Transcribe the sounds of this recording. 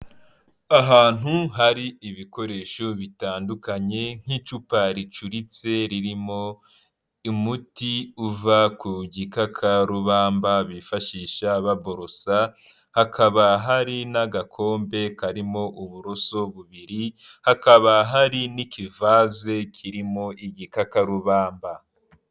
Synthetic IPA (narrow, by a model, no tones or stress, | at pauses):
aɦaːn̥huɦaɾiiβiko̞ɾe̞ʃoβitaːndukaɲe̞ŋ̥hit͡ʃupaɾit͡ʃuɾit͡se̞ɾiɾimo̞ | imutiuvakuɟikakʰaɾuβaːmbaβifaʃiʃaβabo̞ɾo̞sa | hakʰaβaɦaɾinaɡakʰo̞ːmbe̞kaɾimo̞ʔuβuɾo̞so̞βuβiɾihakaβaɦaɾinikivaːze̞kʰiɾimo̞ʔiɟikakaɾuβaːmba